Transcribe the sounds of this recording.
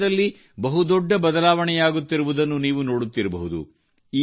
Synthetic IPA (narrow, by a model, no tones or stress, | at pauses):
d̪ɐlːi | bɐɦud̪ɔɖːɐbɐd̪ɐlaːʋɐɳɛjaːɡut̪ːiɾuʋud̪ɐnːuniːʋunoːɽut̪ːiɾɐbɐɦud̪ṵ | iː